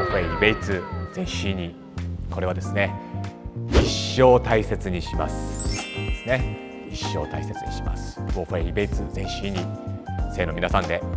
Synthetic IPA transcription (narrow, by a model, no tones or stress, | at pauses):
ɸeibe̞it͡sɨz̥ẽ̞ɰ̃ɕiɲ̟i | ko̞ɾe̞β̞ad̪e̞sɨne̞ | iɕːo̞ːt̪aise̞t͡sɨɲ̟iɕima̰sɨ̥d̪esɨne̞ | iɕːoːt̪aise̞t͡sɨɲiɕima̰sɨ̥boːɸeibe̞it͡sɨzẽ̞ɰ̃ɕiɲ̟ise̞ːno̞mʲinasãnd̪e̞